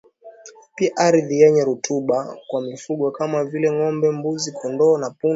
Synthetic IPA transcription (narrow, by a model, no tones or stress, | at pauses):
piaʔaɾiðijɛɲɛɾutʰuɓakwamifuɠwakamavilɛŋɔmbɛmbuzikʰɔndɔːnapu